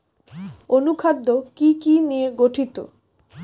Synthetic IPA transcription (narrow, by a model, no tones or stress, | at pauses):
onukʰad̪ːokikinijeɡoʈʰit̪o̰